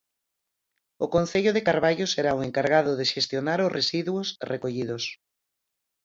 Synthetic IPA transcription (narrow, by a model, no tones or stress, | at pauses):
ʊkon̟θeʎoðekaɾβaʎoseɾaoeŋkaɾɣaðʊðeʃest̪jonaɾosresiðwosrekoʎið̞os